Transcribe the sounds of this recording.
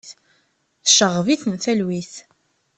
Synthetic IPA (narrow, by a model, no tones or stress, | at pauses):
θ | θʃəʁːviθnθælwiθ